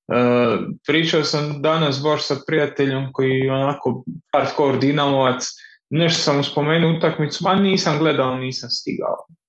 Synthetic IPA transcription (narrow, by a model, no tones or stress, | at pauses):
əpɾiːt͡ʃaosamd̪anas̬baʃsapɾijat̪eʎomko̞jiɛonako̞paɾt̪koɾd̪inaloʋat̪s | neʃt̪osamuspo̞meːnuut̪akmit̪suaniːsamɡle̞d̪aoniːsamst̪ḭɡa̰o̰